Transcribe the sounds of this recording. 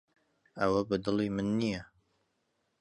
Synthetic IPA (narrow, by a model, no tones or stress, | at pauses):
ɐwɐbɨd̪ɨliːmɨnːijɐ